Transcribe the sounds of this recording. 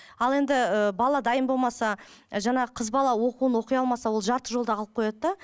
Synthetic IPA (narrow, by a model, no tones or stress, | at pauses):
ɑlˠe̞nd̪ɪəbɑlˠɑd̪ɑjəmbo̞lˠmɑsɑʒɑɴɑʁəqʰəzbɑlˠɑwo̞quwənwo̞qəjɑlˠmɑsɑwo̞lˠʒɑɾt̪əʒo̞lˠd̪ɑɑlˠəp̚qʰo̞jɑd̪d̪ɑ